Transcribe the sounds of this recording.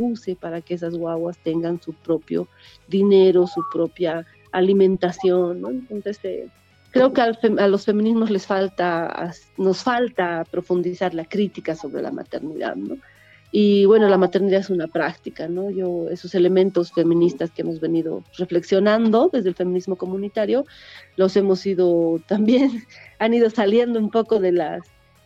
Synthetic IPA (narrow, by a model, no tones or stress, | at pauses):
use̞paɾakees̬azɣwaβwast̪e̞ŋɡansupɾo̞pjo̰ | ðine̞ɾo̞supɾo̞pjaː | limẽ̞nt̪asjo̞nːoent̪o̞nsesḛ | kɾe̞okealfealo̞sfe̞mĩnizmo̞zle̞sfalt̪aa̰s | no̞sfalt̪apɾo̞fund̪isaɾlakɾit̪ikaso̞βɾḛla̰ma̰t̪e̞̰ɾniða̰ðno | iβwe̞no̞lamat̪e̞ɾniðaðesunapɾakt̪ikano̞ʝo̞eso̞se̞le̞mẽ̞nt̪o̞sfe̞mĩnist̪askeemozβe̞niðo̞̰re̞fle̞ksjo̞nãnd̪o̞ðe̞zðelfe̞minizmo̞ko̞mũnit̪aɾjo̞ | lo̞se̞mo̞siðo̞t̪ambje̞naniðo̞salje̞nd̪oumpo̞ko̞ðe̞las